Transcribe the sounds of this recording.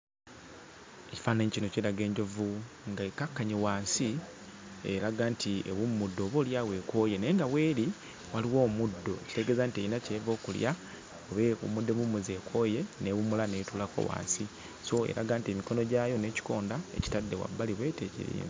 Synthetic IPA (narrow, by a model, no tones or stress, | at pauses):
eci̥faːnaɲicino̞ceɾaɡe̞ːɲɟo̞vu | ŋɡaekakːaɲewaːnsi | eɾaɡaːntʰiḛβumːudːo̞βuljawe̞ko̞je̞neeŋɡawe̞ːɾi | waliwo̞ːmudːo̞eci̥te̞ɡe̞ːzantieinacevo̞ːkulja | oβeṵmudːeβumuzie̞kʰo̞je̞neβumulanetulako̞̰wa̰ːnsi | so̞ḛɾa̰ɡaːntiemiko̞no̞ɟajo̞ne̞ːci̥ko̞ːndae̞̰ci̥tadːewa̰bːaliβwe̞ːtecḭɾḭːni